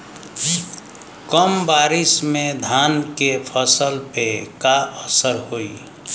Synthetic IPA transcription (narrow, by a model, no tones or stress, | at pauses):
kəmbaːɾɪsmẽd̪ʱaːnkepʰəsəlpekaʔəsəɾɦoi